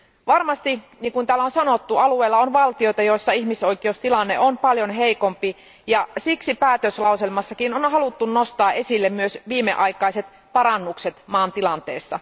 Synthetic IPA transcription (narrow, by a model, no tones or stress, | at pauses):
ʋɑrmɑst̪i | niːŋkunt̪æːlːæonsɑnot̪ːuɑlueːlːɑonʋɑlt̪io̞jt̪ɑjo̞isːɑiçmisoikˑeust̪ilɑnːeʔonpɑljonɦeiko̞mpi | jɑsiksipæːt̪øslɑuselmɑsːɑkinonɦɑlut̪ːunnost̪ɑːʔe̞silːemmyøsʋiːmːḛʔɑikɑiset̪ | pɑɾɑnːukset̪mɑːnt̪ilɑnt̪ḛːsːɑ